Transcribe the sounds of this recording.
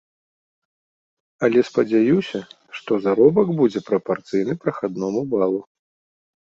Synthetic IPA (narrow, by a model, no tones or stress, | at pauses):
ɐlʲɛspɐd͡zʲajusʲɐ | ʂt̪ɔzaɾɔbɐɡbud͡zʲɛpɾɐpart̪sɨjnɨpɾɐxad̪nɔmubalˠu